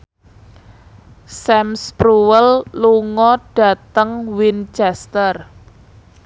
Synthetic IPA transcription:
sɛmspɾuwəlluŋɔɖ̥a̤t̪əŋwint͡ʃɛst̪ər

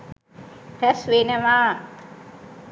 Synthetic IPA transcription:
pɛsʋenəʋaː

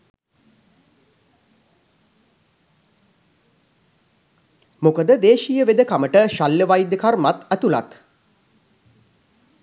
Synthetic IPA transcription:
mokəd̪əd̪eːʃijəʋed̪əkaməʈəʃaljəʋajd̪əkarmat̪æt̪ula̰t̪

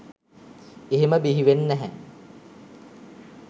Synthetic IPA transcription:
eɦeməbiɦiʋenːæɦæ

